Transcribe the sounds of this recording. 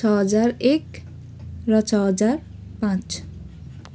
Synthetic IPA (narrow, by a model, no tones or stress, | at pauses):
ʌɦʌd͡zaɾek | rʌt͡ʃʰʌɦʌd͡zaɾpãt͡ʃ